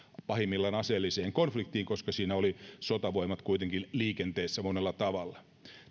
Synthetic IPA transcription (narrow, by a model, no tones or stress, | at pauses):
pɑhimːilːɑnɑselːiseːŋkonflik̚t̪iːŋkoskɑsiːnæolisot̪ɑʋo̞imɑt̪kuijt̪eŋkinliːkent̪eːsːæmonelːɑt̪ɑʋɑlːɑ